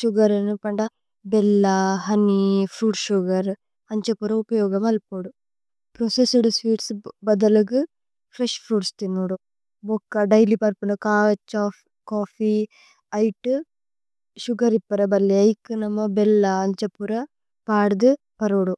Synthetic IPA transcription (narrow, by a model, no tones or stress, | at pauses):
ʃuɡɐɾɐnupɐɳɖɐ | belːɐɦɐnipʰɾuːɖʃuɡɐɾ | ɐɲt͡ʃɐpuɾɐupɐjɔːɡɐmɐlpoːɽu | pɾoːsesuɽusʋiːʈsbɐd̪ɐlɐɡɨ | pʰɾeʃpʰɾuːɖst̪inuːɽu | bɔkːɐɖɐjlipɐɾpunukaːɐt͡ʃaː | kaːfʰi | ɐjʈu | ʃuɡɐɾipːɐɾɐbɐlːiɐjkɨnɐmːɐbelːɐːɲt͡ʃɐpuɾɐ | paːɽd̪ɨ | pɐɾoːɽu